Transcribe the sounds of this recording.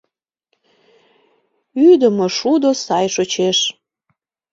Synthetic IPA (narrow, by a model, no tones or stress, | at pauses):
yd̪əmoʃud̪osɑjʃot͡ɕeʃ